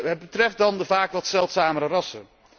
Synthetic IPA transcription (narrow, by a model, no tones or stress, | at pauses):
ɦət̚bətrɛft̚dɑndəvaːkʋɑtsɛlˠtsaːməɾərɑsə̰